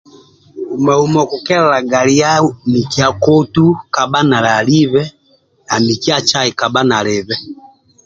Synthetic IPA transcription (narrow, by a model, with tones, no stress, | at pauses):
u˨ma˨umɔ˨kukɛ˦ɾɛ˨la˨ɡa˨li˦a˦mi˨kia˨kɔ˦tu˦ka˨ba˦na˨la˨li˦βɛ˦ | a˨mi˨ki˦a˦t͡ʃa˦i˨ka˨ba˦na˨lɛ˨βɛ˦